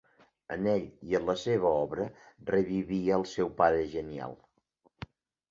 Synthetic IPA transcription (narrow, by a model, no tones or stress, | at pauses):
ə̰neʎiənləseβəɔβɾərəβiβiəəlˠsɛwpaðəʒənia̰lˠ